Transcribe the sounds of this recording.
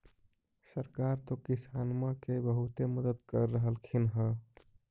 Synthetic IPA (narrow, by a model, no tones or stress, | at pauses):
səɾkaɾt̪okisanməkebəɦut̪eməd̪əd̪kəɾːəɦəlkʰinɦə